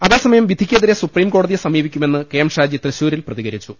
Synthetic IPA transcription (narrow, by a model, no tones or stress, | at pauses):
ɐðeːsɐmɐjɐmʋid̪ʱikʲːijɐðiɾe̞supriːmkoːɽɐðijesɐmiːʋikʲːume̞nːɨke̞ːmʂaːd͡ʑit̪reɕuːɾilprɐðiɣɐɾit͡ɕːu